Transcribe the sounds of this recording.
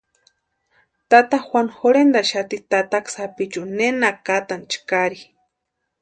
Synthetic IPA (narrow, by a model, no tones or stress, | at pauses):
t̪at̪axwʷanxoɾend̪aʃat̪it̪at̪aksapit͡ʃunenakat̪ant͡ʃkaɾi